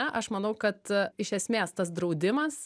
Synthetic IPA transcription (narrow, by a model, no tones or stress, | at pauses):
ɛʔɐʃmɐnɐʊkɐt̪ɪʃʲɛsʲmʲeːst̪ɐsd̪ɾɐʊd̪ʲɪmɐs